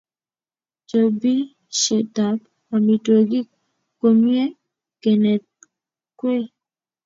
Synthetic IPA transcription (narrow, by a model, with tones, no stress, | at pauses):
d͡ʒo˨bi˦ | ʃe˨ta˨p | a˨mi˨to˨ɡi˦ | ko˨mi˦e˦ | ke˨ne˨ | kwe˦